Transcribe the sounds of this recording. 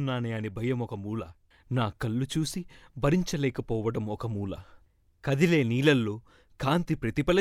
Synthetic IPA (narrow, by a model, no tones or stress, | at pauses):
nːaːneɐnibʱɐjɐmɔkɐmuːlɐ | naːkɐlːut͡ʃuːsibɐɾiɲt͡ʃɐlɛːkɐpɔːʋɐɽɐmɔkɐmuːlɐ | kɐd̪ile̞ːniːlɐlːoː | kaːnt̪ipɾɐt̪ipɐlɐ